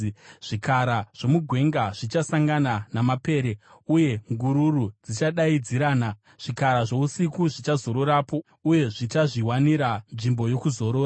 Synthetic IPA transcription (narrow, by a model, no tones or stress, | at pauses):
ʐ̥ikaɾaʐ̥o̞muɡʱwe̞ŋɡaʐ̥it͡ʃasaŋɡananamape̞ːɾe̞uje̞ŋɡuɾurud͡zit͡ʃaɗaid͡ziɾaːna | ʐ̥ikaɾaʐo̞usikuʐit͡ʃazo̞ɾo̞ɾaːpo̞ | uje̞ʐit͡ʃaʐiwaniɾanʐimbo̞jo̞kuzo̞ɾo̞ːa